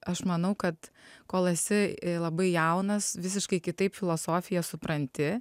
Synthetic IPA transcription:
ɐʃmɐnɐʊkɐt̪koːlˠɐsʲɪlˠɐbɐɪjɛʊnɐsʋʲɪs̬ʲɪʃkɐɪkʲɪt̪ɐɪpfʲɪlˠoːsoːfʲɪjɛsʊpɾɐnʲt̪ʲɪ

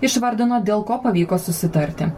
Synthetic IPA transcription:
ɪʃʋɐɾʲd̪ʲɪnoːd̪ʲeːlˠkoːpɐʋʲiːkoːsʊsʲɪt̪ɐɾʲt̪ʲɪ

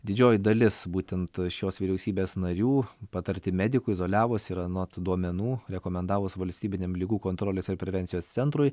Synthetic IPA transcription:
d̪ʲɪd͡ʒʲoːjd̪ɐlʲɪsbuːt̪ʲɛnt̪ʃʲoːsʋʲiːɾʲɛʊsʲiːbʲeːsnɐɾʲuːpɑt̪ɐɾʲt̪ʲɪmʲæd̪ʲɪkʊɪzoːlʲæːʋosɪɾɐnot̪d̪uɔmʲɛnuːɾʲɛkoːmʲɛnd̪ɑːʋoːsʋɐlʲsʲt̪ʲiːbʲɪnʲemlʲiɡuːkoːnt̪ɾoːlʲeːsɪɾpʲɾʲɛʋʲɛnʲsʲɪjoːst̪ʲɛnt̪ɾʊɪ

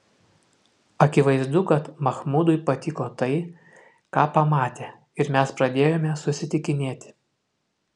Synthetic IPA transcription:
ɐkʲɪʋɐɪzd̪ʊkɐt̪mɐxmud̪ʊɪpɐt̪ʲɪkoːt̪ɐɪ | kɑːpɐmɑːt̪ʲeː | ɪɾmʲɛspɾɐd̪ʲeːjoːmʲɛsʊsʲɪt̪ʲɪkʲɪnʲeːt̪ʲɪ

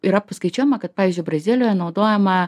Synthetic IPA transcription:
iɾɐpɐskɐɪt͡ʃʲoːjɛmɐkɐt̪̚pɑːʋʲɪzʲd͡ʒʲʊɪbrɐzʲɪlʲɪjoːjɛnɐʊd̪oːjɛmɐ

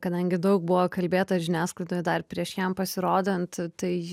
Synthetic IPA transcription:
kɐd̪ɐŋʲɡʲɪd̪ɐʊk̚bʊʋoːkɐlʲbʲeːt̪ɐʒʲɪnʲæːsklˠɐɪd̪oːjd̪ɐrpʲɾʲiɛʃjɛmpɐsʲɪɾoːd̪ʲɛnt̪t̪ɐɪ

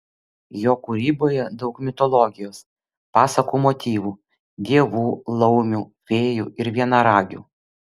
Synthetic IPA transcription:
joːkuɾʲiːboːjɛd̪ɒʊkmʲɪt̪ɔlˠɔɡʲɪjoːs | pɑːsɐkuːmɔt̪ʲiːʋuː | d̪ʲiɛʋuːlˠɐʊmʲuːʋʲeːjṵːɪɾʋʲiɛnɑɾɑːɡʲṵː

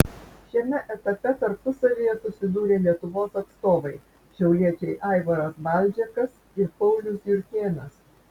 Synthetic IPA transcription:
ʃʲiɛmʲɛʔɛt̪ɐpʲɛt̪ɐɾpʊsɐʋʲijɛsʊsʲɪd̪uːɾʲeːlʲiɛt̪ʊʋoːsɐt̪st̪oːʋɐɪ | ʃʲɛʊlʲiɛt͡ʃʲɛɪʔɐˑɪʋɐɾɐsʋɐˑlʲˑd͡ʒʲɛkɐs | ɪɾpɐʊlʲʊsjʊɾʲkʲeːnɐs

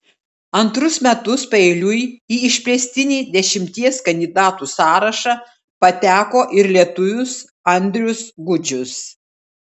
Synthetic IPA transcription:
ɐnt̪ɾʊsmʲɛt̪ʊspɐeːlʲʊjiːɪʃʲpʲlʲɛsʲt̪ʲɪnʲiːd̪ʲɛʃʲɪmʲt̪ʲiɛskɐnʲd̪ʲɪd̪ɑːt̪uːsɑːɾɐʃɑ | pɐt̪ʲæːkoːʔɪɾlʲiɛt̪ʊʋʲʊs | ɐnʲd̪ʲɾʲʊsɡʊd͡ʒʲʊs

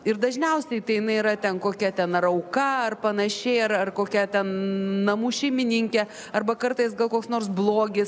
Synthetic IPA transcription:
ɪɾd̪ɐʒʲnʲɛʊsʲɛɪt̪ɐɪjɪnɐɪiɾɐt̪ʲɛnkoːkʲɛt̪ʲɛnɐrɐʊkɐɐrpɐnɐʃʲɛɪɐrɐrkoːkʲɛt̪ʲɛnnɐmuːʃʲɛɪmʲɪnʲɪŋʲkʲɛ | ɐrbɐkɐrt̪ɐɪsɡɐlˠkoːksnoːrs̬blˠoːɡʲɪs

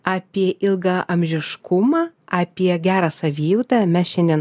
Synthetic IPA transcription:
ɑːpʲiɛʔɪlˠɡɑʔɐmʲʒʲɪʃkʊmɑːɑːpʲiɛɡʲæːɾɐːsɐʋʲiːut̪ɐmʲæʃʲɛnʲɛn

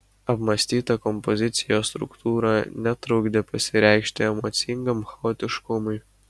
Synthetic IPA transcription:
ɐpmɐsʲt̪ʲiːt̪ɐkɔmpɔzʲɪt̪sʲɪjoːst̪ɾʊ̰kt̪uːɾɐnʲɛt̪ɾʊːɡd̪ʲepɐsʲɪɾʲɛˑɪkʃʲt̪ʲɪɛmɔt̪sʲɪŋɡɐmxɐoːt̪ʲɪʃkʊmʊɪ

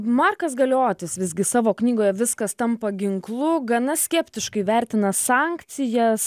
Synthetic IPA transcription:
mɑːrkɐs̬ɡɐlʲoːt̪ʲɪsʋʲɪzʲɡʲɪsɑːʋoːknʲiːɡoːjɛʋʲɪskɐst̪ɐmpɐɡʲɪŋklˠʊɡɐnɐsʲkʲɛpʲt̪ʲɪʃkɐɪʋʲæɾʲt̪ʲɪnɐsɑːŋkt̪sʲɪjɛs

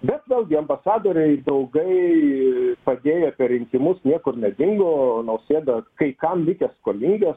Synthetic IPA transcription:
bʲɛt̪ʋʲeːlˠɡʲɪɐmbɐsɑːd̪oːɾʲɛɪd̪ɐʊɡɐɪ | pɐd̪ʲeːjɛpʲɛɾʲɪŋʲkʲɪmʊsnʲiɛkʊrnʲɛd̪ʲɪŋɡoːnɐʊsʲeːd̪ɐkɐɪkɐmlʲɪkʲɛskoːlʲɪŋʲɡʲɛs

